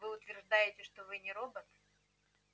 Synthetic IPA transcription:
vɨʊt̪vʲɪrʐd̪ajɪtʲɪʂt̪ovɨnʲɪɾo̞bət̪

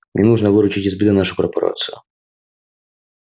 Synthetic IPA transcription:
mnʲɛnuʐnɐvɨɾʊt͡ɕitʲɪzbʲid̪ɨnaʂʊkɐrpɐɾa̰t̪sɨjʊ̰

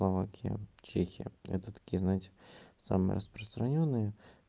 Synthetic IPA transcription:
lˠɐva̰kʲʰɪjə̰t͡ɕexʲɪjə̰ɛ̰t̪ət̪ɐ̥kʲijəznatʲsa̰mɨjə̰ɾʔəspɾəst̪ɾɐnʲonːɨjə

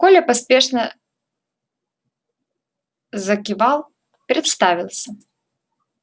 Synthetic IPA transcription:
kolʲəpɐspʲeʂnə | zəkʲɪvalˠ | pʲɾʲɪt̪st̪avʲɪlˠsʲə

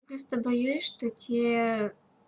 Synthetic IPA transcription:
pɾost̪əbɐjusʲʂt̪otʲe

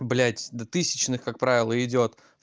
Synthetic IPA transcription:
blʲætʲd̪ɐt̪ɨsʲɪ̥t͡ɕnɨxkak̚pɾavʲɪlˠəɪdʲo̞t̪

